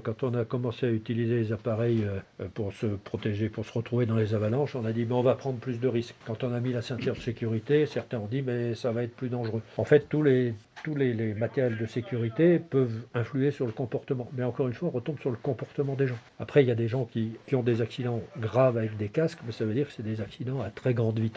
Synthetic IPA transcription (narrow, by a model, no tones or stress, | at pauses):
kɑ̃t̪ɔ̃nakɔmɑ̃seayt̪ilizelezapaʁɛjøpuʁsəpχɔt̪eʒepuʁsəʁət̪χuved̪ɑ̃lezavalɑ̃ʃɔ̃nad̪imɛɔ̃vapχɑ̃d̪ʁplys̬d̪əʁiskːɑ̃t̪ɔ̃namilasɛ̃t̪jɛʁd̪əsekʲyʁit̪esɛʁt̪ɛ̃ɔ̃d̪imɛsavaɛt̪χəplyd̪ɑ̃ʒʁøɑ̃fɛt̪ːulet̪ulelemat̪ɛʁjɛld̪əsekʲyʁit̪epœvɛ̃flyesyʁləkɔ̃pɔʁt̪əmɑ̃mɛɑ̃kɔʁynfwaɔ̃ʁət̪ɔ̃bsyʁləkɔ̃pɔʁt̪əmɑ̃d̪eʒɑ̃ | apχɛiljad̪eʒɑ̃kʲikʲiɔ̃d̪ezaksid̪ɑ̃ɡʁavavɛk̚d̪ekaskmɛsavød̪iʁkə̥sɛd̪ezaksid̪ɑ̃at̪χɛɡʁɑ̃d̪vit̪